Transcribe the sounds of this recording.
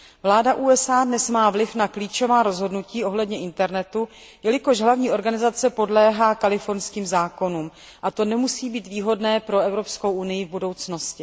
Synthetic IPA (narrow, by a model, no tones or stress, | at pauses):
vlaːdaʔuːɛsʔaːdnɛsmaːvlɪfnakliːt͡ʃo̞vaːɾo̞zɦo̞dnuciːʔo̞ɦlɛdɲɛʔɪnt̪ɛɾnɛt̪u | jɛlɪko̞ʒɦlavɲiːʔo̞ɾɡanɪzat͡sɛpo̞dlɛːɦaːkalɪfo̞ɾnskiːmzaːko̞nuːm | ʔat̪o̞nɛmusiːbiːt̪viːɦo̞dnɛːpɾo̞ɛvɾo̞pskowʔunɪjɪvbudo̞wt͡sno̞scɪ